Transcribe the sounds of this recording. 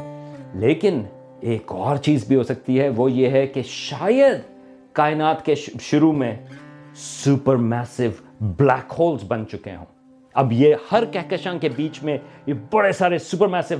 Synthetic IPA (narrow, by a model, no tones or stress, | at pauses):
leːkɪn | eːkɔːɾt͡ʃiːzbʱiɦoːsɐk̚t̪iɦɛʋojeɦɛkeʃaːjəd̪ | kaːɪnaːt̪keʃʊɾumẽ | supəɾmɛːsɪʋ | blɛːkhoːlzbɐ̃nt͡ʃʊkḛɦõ̰ː | ɐbjehɐɾkɛɦkəʃãŋkebiːt͡ʃmẽjebɐɽesaːɾesupəɾmɛːsɪʋ